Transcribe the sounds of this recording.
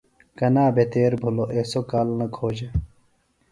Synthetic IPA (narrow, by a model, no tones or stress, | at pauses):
kɐnaːbet̪eːɾbʱuloʔesokaːlnɐkʰoːd͡ʑe